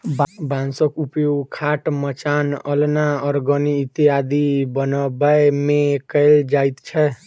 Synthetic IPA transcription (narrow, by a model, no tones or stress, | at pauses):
bbãnsəkupjoɡkʰaʈmət͡ʃanəlnaɔɾɡəniːt̪ijad̪ibənəbəmekəld͡ʒajt̪t͡ʃʰɛ